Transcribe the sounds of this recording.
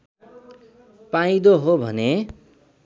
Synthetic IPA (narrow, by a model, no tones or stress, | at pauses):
paĩd̪oɦobʱʌne